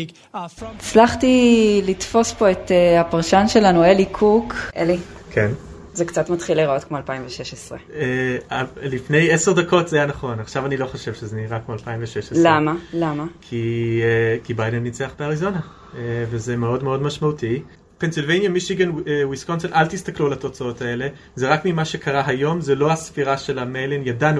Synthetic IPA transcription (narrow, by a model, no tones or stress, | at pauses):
it͡slaχtilitfo̞spo̞etehapaʁʃanʃe̞lanuelikʰukʰʔelikʰen | zekt͡satmatχiliʁao̞tkmoalpaimveʃeʃesʁḛealifne̞jeseʁdako̞tz̥ajanaχo̞naχʃavanilo̞χoʃevʃezeniʁakmoalpaimveʃeʃelamalamakʰi | kibajdenːit͡seaχbeaʁizo̞na | eveze̞meo̞dmeo̞dmaʃmauti | pensilvejnjamiʃiɡenwiskonsenalt̪ist̪aklulato̞t͡sao̞tae̞le̞ | zeʁakmimaʃe̞kʰaʁaɦajo̞mzelo̞hasfiʁaʃe̞lamejlinjadanu